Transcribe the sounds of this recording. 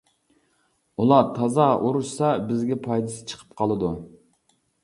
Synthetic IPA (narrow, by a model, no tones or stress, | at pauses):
ulˠɑɾt̪ʰɑzɑuɾuʃsɑbɪzɡʲɛpʰɑjd̪ɨsɨ̥t͡ʃʰə̥qʰə̥pqʰɑlˠɨd̪u